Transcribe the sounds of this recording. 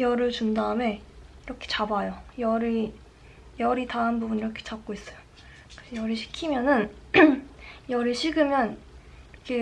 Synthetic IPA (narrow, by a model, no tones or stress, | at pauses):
jʌɾɯɭt͡ɕundaɯme̞iɾʌkʰe̞̥t͡ɕabajojʌɾi | jʌɾitaɦanbubuniɾʌkʰe̥t͡ɕap̚k͈ois͈ʌjo | kɯsʰʌjʌɾiɕʰi̥kʰimjʌnɯn | jʌɾɯɭɕʰiɡɯmjʌn | ʌkʰe